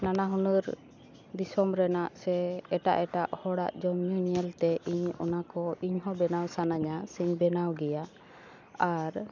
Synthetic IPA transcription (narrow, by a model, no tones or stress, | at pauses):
nanaɦunuɾ | d̪isɔmɾɛnaʔsɛːʈa̰ʔɛʈaʔhɔɽa̰ʔd͡ʒɔmjuniɛlt̪ɛʔiɲɔ̰nakɔiɲɦɔbɛnawsanaɲasiɲbɛnawɡɛja | aɾ